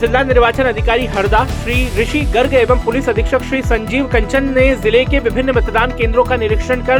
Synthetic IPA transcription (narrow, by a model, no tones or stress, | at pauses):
zɪlːanɪɾʋaːt͡ʃənɐd̪ʱɪkaːɾiɦɐɾd̪aːʃɾiːɾɪʃiɡɐɾɡeːʋəmpʊlɪsɐd̪ʱɪkʃəkʃɾiːsɐ̃ɲd͡ʒiːʋkɐ̃ɲt͡ʃənːezɪlekeʋɪbʱɪnːəmɐt̪d̪aːnkẽːnd̪ɾõkanɪɾɪkʃənkɐɾ